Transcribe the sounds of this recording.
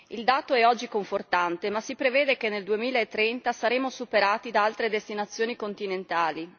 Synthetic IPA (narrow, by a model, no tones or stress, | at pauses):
ild̪aːt̪oɛɔd͡ʒːikoɱfort̪ant̪emasipɾevɛːd̪ek̟enːeld̪uemiːlaet̪ːɾɛnt̪asaɾeːmosupeɾaːt̪id̪aalt̪ɾed̪est̪inat̪sːjoːnikont̪inent̪aːli